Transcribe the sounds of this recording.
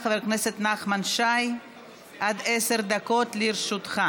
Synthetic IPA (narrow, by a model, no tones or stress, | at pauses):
χveɾkneset̪naχmanʃaj | ʔad̪eseɾd̪akot̪liɾʃut̪χa